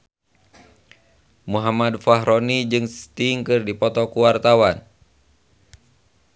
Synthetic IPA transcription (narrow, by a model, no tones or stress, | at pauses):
muɦamadfaɦɾɔnid͡ʒɨŋst̪iŋkɨrdipɔt̪ɔkuwart̪awan